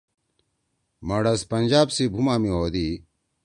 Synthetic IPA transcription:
mɐɽɐspɐnd͡ʑaːbsibʱumaːmioːd̪i

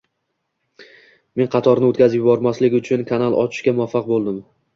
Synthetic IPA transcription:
me̞nqʰɑt̪ʰɒɾnɪot̪kʲazɪpjɪbɒɾmaslɪkʲʊt͡ʃʰʊnkʰanalˠɒ̰t͡ʃʰɪ̥ʃkʲamʊafːɑq̚bolˠd̪ɪm

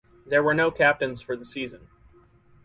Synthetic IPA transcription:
ðə˞wə˞noʊkʰæp̚tɨ̃nz̥fə˞ðəsizɨ̃n

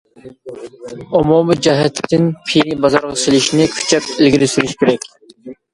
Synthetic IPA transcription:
omumɨd͡ʒɛɦɛt̪ʰɪt̪ɪnpʰinibɑzɑɾʁɑselɪʃinɪkʲʰy̥t͡ʃʰɛpɪlɡʲiɾɪsyɾyʃkʲʰeɾɛkʲ

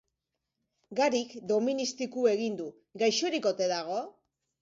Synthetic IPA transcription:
ɡaɾikd̪o̞minist̪ikue̞ɣind̪u | ɡajʃoɾiko̞t̪e̞ðaɣ̞o̞

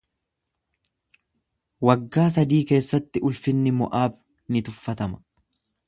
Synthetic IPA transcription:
wɐɡːaːs̬ɐd̪iːke̞ːsːɐt̪ːɪʔʊlfɪnːɪmɔ̰ʔaːb | nɪt̪ʊfːɐt̪ɐmɐ̥

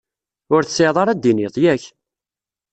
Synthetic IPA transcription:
ʊɾθəseʕðˤɑɾˤæd̪iniðˤjæç

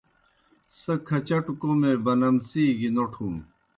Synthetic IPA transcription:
sɐkʰɐt͡ɕɐʈukomebɐnɐmt͡siːɡinoʈʰuːm

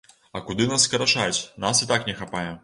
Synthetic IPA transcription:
ɐkud̪ɨnasːkɐɾat͡ʂat͡sʲnasit̪aknʲɛxapajɛ

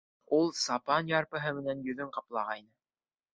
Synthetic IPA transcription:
ulˠsɑpɑnjɑɾpɤ̆ɦɤmɘ̆nænjɵ̆ðɵɴqɑplˠɑʁɑinɘ

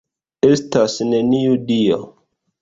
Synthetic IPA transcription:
estasneniudio̰

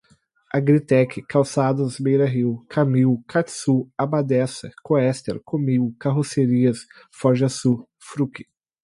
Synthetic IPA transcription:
aɡɾit̪ɛkʰɪkawsad̪ʊzbejɾɐɦiwkʰamiwkʰat̪suabad̪ɛsɐ̰koɛst̪ḛɾkʰomiwkaɦoseɾiɐs | fɔʒɐsu | fɾukɪ̥

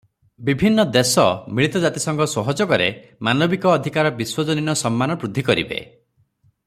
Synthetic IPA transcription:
bibʱinːɔd̪esɔmiɭit̪ɔd͡ʒat̪isɔŋɡɔsɔɦɔd͡ʒɔkɔɾemanɔbikɔːd̪ʱikaɾɔbiswɔd͡ʒɔninɔsɔmːanɔpɾud̪ʱːikɔɾḭbḛ

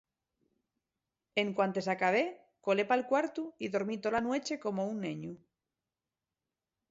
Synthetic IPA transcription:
eŋkwant̪e̞sakaβ̞e | ko̞le̞palkwaɾt̪uiðo̞ɾmit̪olanwe̞t͡ʃe̞ko̞mo̞unːeɲu

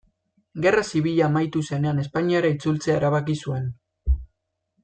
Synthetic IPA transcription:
ɡe̞rasiβ̞iʎaːmajt̪use̞ne̞ane̞spaɲiaɾait͡sult͡seaeɾaβakisue̞n

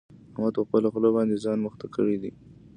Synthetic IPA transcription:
amat̪pəxpəloxlobɑnd̪ezɑnməxt̪akəɽid̪i

